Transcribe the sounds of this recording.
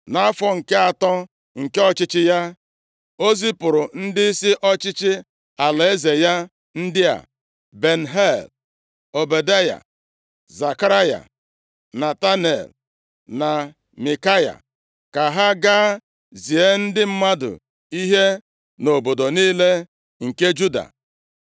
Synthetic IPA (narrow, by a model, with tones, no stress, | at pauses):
na˦fɔ˦ŋ̩˨ke˦a˨tɔ˦ | ŋ̩˨ke˦ɔ˦t͡ʃɪ˦t͡ʃɪ˦ja˦ | o˦zi˦pʊ˨ɾʊ˨n̩˦dɪ˦i˦si˦ʔɔ˦t͡ʃɪ˦t͡ʃɪ˦ | a˨la˨e˦ze˨ja˦ | n̩˦dɪ˦a̰˨ | be˨n̩˨ɦe˦˨l | o˨be˨da˦ja̰˨ | za˨ka˦ɾa˦ja̰˨ | na˨ta˦nḛ˨l | na˨ | mi˨ka˦ja̰˨ | ka˨ɦa˦ɡaː˦ | zi˨e˦n̩˦dɪ˦m̩˦ma˦dʊ̰˨ | i˦ɦe˦ | no˨bo˨do˨niː˦le˦ | ŋ̩˨ke˦d͡ʒu˦da̰˨